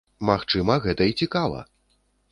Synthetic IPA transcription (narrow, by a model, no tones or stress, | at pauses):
maxt͡ʂɨmɐɣɛt̪ɐit͡sʲikavɐ̰